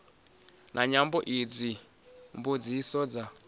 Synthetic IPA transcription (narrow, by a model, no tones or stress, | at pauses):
nʔaɲambɔʔid͡zi | mbod͡zisɔːd͡za